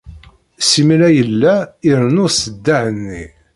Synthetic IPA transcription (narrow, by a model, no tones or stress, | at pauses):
simlæjəlːæiɾənʊɾsəd̪ːaʕənːi